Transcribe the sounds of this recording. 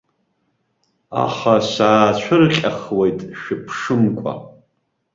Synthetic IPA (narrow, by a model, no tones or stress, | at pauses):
a̰χasaːt͡ɕʷʰɨrqʲʼaχwejtʼʃᶣɪpʰʂɨmkʷʰʼa̰